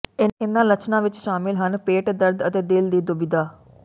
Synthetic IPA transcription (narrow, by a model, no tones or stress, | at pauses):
ɪnɪnːãːlət͡ʃnãːʋɪt͡ʃʃaːmɪlɦənpeːʈd̪əɾd̪ət̪eːd̪ɪld̪iːd̪ʊbɪd̪aː